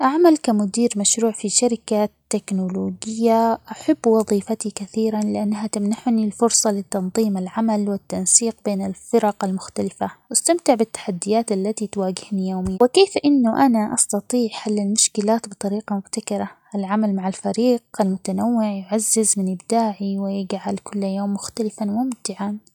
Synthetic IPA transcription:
ʔaʕmalkamʊd̪iːɾmaʃɾuːʕfiʃaɾɪkat̪ːeknʊloːɡɪjːaʔaħabːwɑðˤiːfat̪ikaθiːɾanlɪʔanːaɦat̪amnaħʊnilfʊɾsˤɑlɪt̪ːɑnðˤiːmalʕamalwɪt̪ːansiːq̚beːnɪlfɪɾɑqalmʊxt̪alɪfawast̪amt̪ɪʕbɪt̪ːḁħad̪ːɪjaːt̪ʔalːat̪it̪waːɡɪhnijoːmɪjːawɪkeːfʔɪnːʊʔanaʔɑst̪ɑt̪ˤiːʕħalːalmʊʃkɪlaːt̪bɨt̪ˤɑɾiːqɑmʊbt̪akɪɾˤɑʔɪlʕamalmaʕalfaɾiːqalmʊt̪anawːɪʕjʊʕazːɪzmɪnʔɪbd̪aːʕiwɪjɪɡʕalkʊlːajoːmːʊxt̪alɪfanmʊmt̪ɪʕan

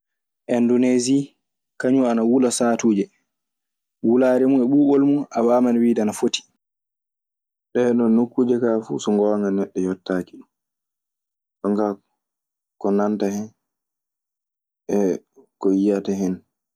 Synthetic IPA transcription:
ʔɛndunezi | kaɲuanawulasaːtuːd͡ʒɛ | wulaːɾɛmuɛɓuːɓolmuʔawamanwiːdanafoti̥ | ɗɛɗɔnːukːuːd͡ʒɛkafṵsɔŋɡɔwaŋɡanɛɗːɛjɔtːakiɗum | ɗɔŋka | kɔnantahɛn | ɛkɔjijataɦɛn

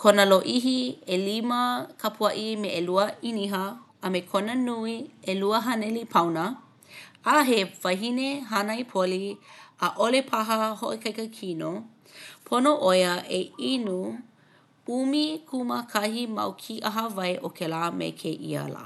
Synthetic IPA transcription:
kʰonəloʔiɦieliməkʰɐpʰuɐʔimeʔeluəiniɦəː | mekʰonənuieluəɦɐnɛlipʰɐwnə | aɦevɐɦineɦanajpʰoliʔəʔolepʰaɦəhoʔekʰɐjkəkʰino | pʰonoʔojəʔeinu | umikʰuməkʰɐhimɐ̰wkʰiʔɐɦɐvɐjʔokʰelaːmḛkʰeʔḭa̰la̰

